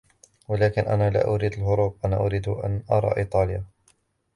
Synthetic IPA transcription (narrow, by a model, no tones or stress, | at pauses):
walaːkɪnʔa̰naːla̰ːʔʊɾiːd̪alɦʊɾuːb̚ʔana̰ːʔʊɾiːd̪hʔa̰nʔɑɾˤɑ̰ːʔiːt̪ˤɑːlja